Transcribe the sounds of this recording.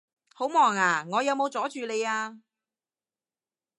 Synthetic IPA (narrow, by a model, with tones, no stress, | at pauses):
ho˨˥wmɔː˨˩ŋaː˨˩ŋɔː˨˧jɐ˨˧wmo˨˧wt͡sɔː˨˥t͡ʃyː˨˧le˨˧jaː˧